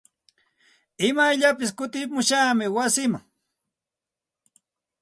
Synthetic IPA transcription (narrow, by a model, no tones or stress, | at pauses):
ɪmajʎapɪskʊt̪ɪmʊʃaːmɪwasɪmaŋ